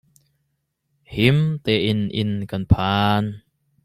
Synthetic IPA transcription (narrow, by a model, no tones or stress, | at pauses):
himt̪ɛʔɪnʔɪ̰nkɐnpʰaːn